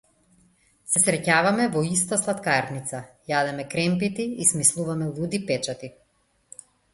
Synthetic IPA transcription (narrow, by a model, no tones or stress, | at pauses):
sɛsɾɛcavamɛvɔist̪aslˠat̪kaɾnit̪sajad̪ɛmɛkɾɛmpit̪iismislˠuvamɛlˠud̪ipɛt͡ʃat̪i